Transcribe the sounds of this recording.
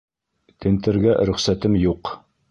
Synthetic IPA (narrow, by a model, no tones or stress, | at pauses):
t̪ʰɘ̆nt̪ɘ̆ɾɡæɾɵ̆χsæt̪ɘmjuq